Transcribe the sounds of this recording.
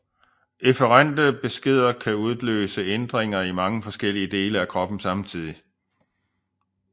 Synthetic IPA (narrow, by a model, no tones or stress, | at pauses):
efəʁan̰d̥əb̥e̝sɡ̥e̝ð̞̰ˠɐkʰæuð̞ˠlø̰ːsəend̥ʁeŋ̰ɐimɑ̈ŋəfɒ̽sɡ̥el̰iəd̥e̝ːləækʰʁɒ̽b̥n̩sɑ̈mt͡sʰið̞̰ˠi